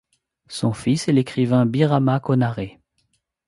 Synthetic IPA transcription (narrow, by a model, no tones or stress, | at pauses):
sɔ̃fisɛlekχivɛ̃biʁamakɔnaʁe